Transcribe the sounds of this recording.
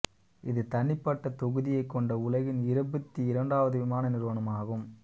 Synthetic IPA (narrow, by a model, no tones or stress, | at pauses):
ɪðɯt̪ɐɳːɪpːɐʈːɐt̪ɔɣɯðɪjɐɪkːɔɳɖɐʊlɐɣɪnɪɾɐbɐt̪ːiɪɾɐɳɖaːʋɐðɯʋɪmaːnɐnɪɾɯʋɐnɐmaːɣɯm